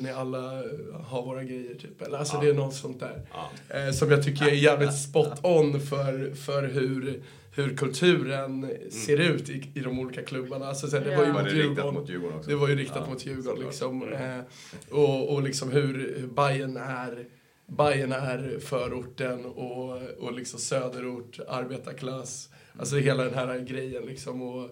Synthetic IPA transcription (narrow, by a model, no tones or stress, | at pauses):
nɪalːaɦaɾvoːɾaɡɾɛjːəʈʰyːpːɛlːəɾalsɔd̪ɛænɔt̪sɔnt̪̚d̪æ̰ːɾ | sɔmjɑɡt̪ʰʏkːəɾɛjæːvlɪt̪spɔt̪ʰːɔnːfœɾfœɾɦɵɾ | hɵɾkʰɵlt̪ʰʉ̟ːɾənseːɾʉ̟ːt̪ɪɪd̪ɔmuːliːkakʰlɵbːaɳaalsɔsæːd̪ɛvaɾjəmʊjːɡɔmjʉːɡɔɔ̰d̪ɛvaɾjəɾɪkt̪at̪mʊt̪ʰjʉ̟ːɡɔnlɪksɔm | ɔɔlɪksɔmɦɵɾhɵbajənæɾ | bajənæɾfœːɾʊʈːənɔɔlɪksɔmsøːd̪əɾʊʈːa̰ɾbeːt̪aɾkʰlas | als̬ɔɦeːlad̪ɛnɦæːɾaɡɾɛjːənlɪksɔmɔ